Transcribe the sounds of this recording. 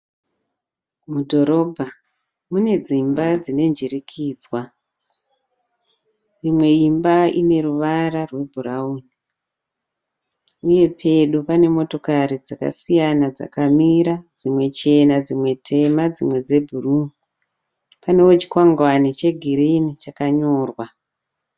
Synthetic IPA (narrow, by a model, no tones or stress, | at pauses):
mudʱo̞ɾo̞bʱa | mune̞d͡zimbad͡zine̞nd͡ʒirikʰiːd͡zwa | rimwe̞imbaine̞ruʋaɾarwe̞bʱurauːni | uje̞pʰe̞ɗupane̞mo̞to̞kaɾid͡zaka̰sijanad͡za̰kamiɾad͡zimwe̞t͡ʃe̞nad͡zimwe̞tʰe̞mad͡zimwe̞d͡ze̞bʱurumuu | pane̞wot͡ʃi̥kwaŋɡwanit͡ʃe̞ɡʱiɾinit͡ʃakaɲoːrwa